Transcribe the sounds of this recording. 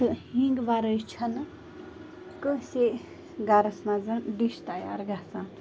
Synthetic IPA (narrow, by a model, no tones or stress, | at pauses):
ɨɦiŋɡʋaɾəjt͡ʃʰɐn | kəse | ɡaɾɐsmãzɐnɖ̪iʃt̪aja̰ɾɡasãː